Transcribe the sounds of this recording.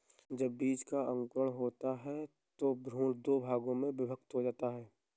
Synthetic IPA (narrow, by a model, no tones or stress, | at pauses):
d͡ʒəbːiːd͡ʒkaə̃ŋkɾəɽɦoːt̪aɦɛ | t̪obɾuːld̪oːbʱaːɡõmẽʋɪbʱək̚t̪ɦod͡ʒaːt̪aɦɛː